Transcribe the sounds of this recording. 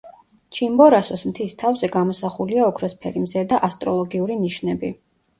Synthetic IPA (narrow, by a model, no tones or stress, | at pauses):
t͡ʃʰimbɔɾasɔsmt̪ʰist̪ʰavzɛɡamɔsaχuliaɔkʰɾɔspʰɛɾimzɛd̪aʔast̪ʼɾɔlˠɔɡiuɾiniʃnɛbi